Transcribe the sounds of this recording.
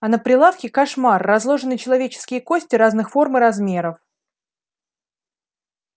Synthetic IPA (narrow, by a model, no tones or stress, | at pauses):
ɐnəpɾʲɪlˠafkʲɪkɐʂmarːɐzlˠo̞ʐɨnɨt͡ɕɪlˠɐvʲet͡ɕɪ̥skʲɪjəko̞sʲtʲɪɾaznɨxfo̞rmɨɾɐzmʲe̞ɾəf